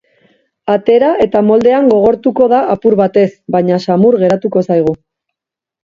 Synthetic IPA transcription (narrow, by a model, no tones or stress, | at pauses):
at̪e̞ɾaʔe̞t̪amo̞ld̪e̞aŋɡo̞ɣ̞o̞ɾt̪uko̞ð̞aʔapuɾβat̪e̞sβaɲasamuɾɣe̞ɾat̪uko̞sajɣ̞u